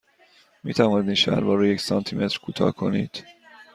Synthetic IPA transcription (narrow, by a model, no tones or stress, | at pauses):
miːt̪ʰævɒːnid̪inʃæ̰ɾbɒːɾejecsɒːnt̪ʰimʔet̪ɾkʰuːt̪ʰɒ̰ːkʰo̞nḭːd̪̥